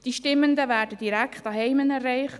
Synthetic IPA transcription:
d̥iʃtɪmːəndəvæːɾdəd̥iɾækχtɑɦɛɪmənɛrːɛɪχ

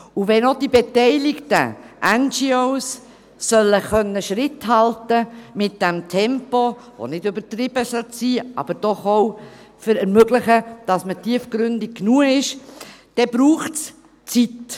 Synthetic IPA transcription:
uʋɛnod̥ibetɛɪlɪktə̰ʔænd͡ʒioʊsː | œlːəχœnːəʃɾɪthɑltəmɪt̚d̥ɛmtʰɛmpovo̰nɪdʉbətɾɪb̥əsœlt͡siːɑ̰b̥əɾd̥ɔχoʊ | fəɾɛɾmøɡlɪχəd̥ɑsmətiəfɡɾʏndɪk̚kːnuːəɪʃd̥ɛb̥ɾuːχts | t͡sit

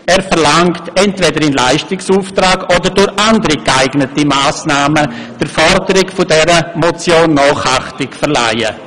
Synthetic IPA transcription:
ɛːɾfɛʁlaŋktɛntvɛdəɾɪnlaɪʃtɪksuːftɾaːɡɔdəɾdʊɾçandəɾikaɪɡnətimaːsnaːməd̥əɾfɔɾdəɾɪkfʊdɛɾəmɔt͡sjoːnːɔːχaχtɪkfɛʁla̰ɪə̰

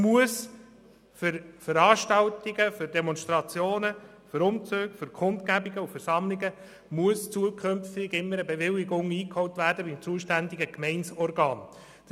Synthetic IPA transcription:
muəs | fʏɾfəɾɑːʃtɑwtɪɡəfʏɾdɛmɔnʃtɾɑt͡sjoːnə | fɨɾʊmt͡søːɡ̥fʏɾkʰχʊntkæbiɡəufəɾsɑmlɪɡə | muəst͡suəkʰχømftɪɡɪmːəɾəbeʋɪlːɪɡʊŋiːkhɔwtʋæːɾdəbimt͡suəʃtænd̪ɪɡəkmɛɪnsɔrɡɑːn | d̥

